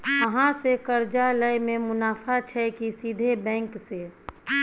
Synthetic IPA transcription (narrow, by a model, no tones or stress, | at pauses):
əɦãsekəɾd͡ʒaləjmẽmʊnaːfʰat͡ʃʰɛkisiːd̪ʱebɛ̃ːŋkse